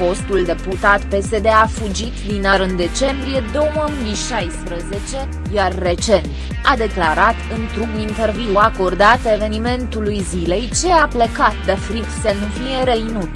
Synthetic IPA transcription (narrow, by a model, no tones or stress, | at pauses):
fo̞st̪uld̪e̞put̪at̪pe̞se̞d̪eafud͡ʒit̪d̪inaɾɨnd̪e̞t͡ʃe̞mbɾije̞d̪o̞wməuniʃajspɾəze̞t͡ʃe̞ | jarːe̞t͡ʃe̞nt̪ | ad̪e̞klaɾat̪ɨnt̪ɾuɡint̪e̞rviuako̞rd̪at̪e̞ve̞nime̞nt̪ulujzile̞jt͡ʃe̞aplekat̪̚d̪əfɾit̪sənufije̞ɾeinut̪